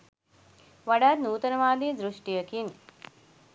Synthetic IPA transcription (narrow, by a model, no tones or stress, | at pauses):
ʋaɖaːt̪nuːt̪ənəʋaːd̪iːd̪ɾuʂʈijəkin